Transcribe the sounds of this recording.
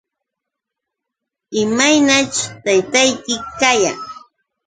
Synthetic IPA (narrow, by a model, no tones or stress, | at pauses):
ɪmajnat͡ʃʊ̥t̪ajt̪ajkɪkaja̰ŋ